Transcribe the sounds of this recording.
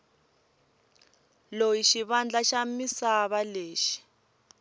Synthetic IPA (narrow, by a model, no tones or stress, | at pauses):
lojiʃiβand͡ɮaʃamisaβaleːʃi̥